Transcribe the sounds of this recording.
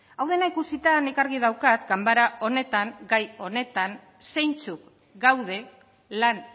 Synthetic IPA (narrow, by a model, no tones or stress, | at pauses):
awð̞e̞naikusit̪ane̞kaɾɣið̞awkat̪ɡambaɾaʔo̞ne̞t̪aŋɡajo̞ne̞t̪an | se̞jnt͡suk | ɡawð̞e̞ | lan